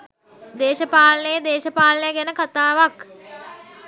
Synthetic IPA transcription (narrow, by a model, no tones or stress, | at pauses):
d̪eːʃəpaːlənəjəd̪eːʃəpaːlənəjəɡænəkat̪aːʋak